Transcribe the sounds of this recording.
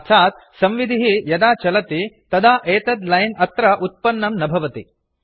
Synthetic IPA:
t̪ʰaːt̪ | sɐmʋid̪ʱiɦijɐd̪aːt͡ʃɐlɐt̪it̪ɐd̪aːʔeːt̪ɐd̪lɐjnɐt̪ɾɐʔut̪̚pɐnːɐmnɐbʱɐʋɐt̪i

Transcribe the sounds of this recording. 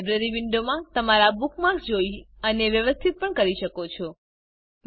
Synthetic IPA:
bɾəɾiʋiɳɖomãt̪əmaɾabukmaɾksd͡ʒoiəneʋjəʋəst̪ʰit̪̚pəɳkəɾiʃəkot͡ʃʰɔ

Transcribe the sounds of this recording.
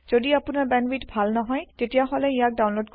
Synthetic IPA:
z̥odiapunaɹbɛnwitbʱalnɔɦɔjtetijaɦɔlɛijak̚dawnlodk

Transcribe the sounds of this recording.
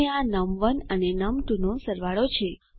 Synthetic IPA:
eanəmʋənənenəmʈ̪unosəɾʋaɭot͡ʃʰe

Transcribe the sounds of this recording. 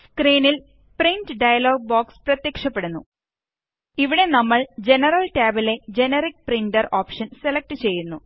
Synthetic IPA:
skriːnil | prindɖɐjɐlo̞ːɡ̚boːksprɐt̪jeːkʂɐpːe̞ɽunːṵ | iʋiɽe̞nɐmːɐɭd͡ʑe̞nɐrɐlʈaːbile̞d͡ʑe̞nerik̚priɳɖɐroːpʂɐnse̞lɐk̚ʈɨt͡ɕe̞jːunːu

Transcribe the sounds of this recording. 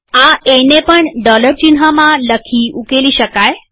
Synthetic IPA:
ãenepəɳɖɔləɾt͡ɕinɦamãləkʰiːukeliːɕəkaj

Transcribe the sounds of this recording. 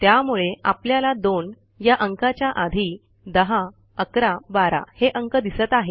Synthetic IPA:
t̪jamuɭeapljalad̪on | jaʔəŋkat͡ɕjaʔad̪ʱi | d̪əɦa | əkɾabaɾa̰heʔəŋkəd̪isət̪aɦe

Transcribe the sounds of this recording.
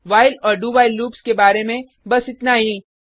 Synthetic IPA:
ʋaːɪlɔːɾɖuːʋaːɪlːuːpskebaːɾemẽ | bɐsɪt̪naɦiː

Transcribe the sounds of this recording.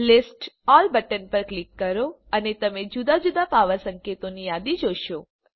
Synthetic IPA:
lɪsʈɔlbəʈənpəɾklikːəɾo | ənet̪əmed͡ʒud̪ad͡ʒud̪apaʋəsəŋket̪onijad̪id͡ʒoʃo

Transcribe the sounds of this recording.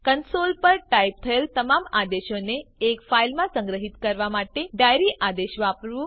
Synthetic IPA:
kənsolpəɾʈaip̚t̪ʰəelt̪əmamad̪eʃoneːkfailmãsə̃ŋɡɾəɦit̪kəɾʋamaʈeɖajɾiʔad̪eʃʋapɾʋũ

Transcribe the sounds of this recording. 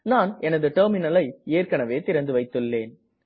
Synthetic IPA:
naːnɛnɐðɯʈɐːɾmɪnɐlɐɪeːrkɐɳɐʋeːt̪ɪɾɐnd̪ɯʋɐɪt̪ːɯɭːeːn

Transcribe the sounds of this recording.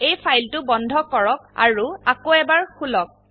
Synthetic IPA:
ejpʰajltʊbɔndʱɔkɔɹɔk̚a̰ɹuakoɛbaɹkʰulɔk̚

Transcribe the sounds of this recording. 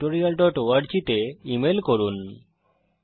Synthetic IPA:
ʈoɾialɖɔʈoaɖd͡ʑit̪eimelkoɾun

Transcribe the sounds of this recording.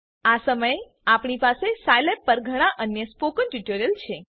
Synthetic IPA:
asəməje | apɳipasesajlepːəɾɡʱəɽ̃aʔənjəspokənʈuʈoɾijəlt͡ʃʰe

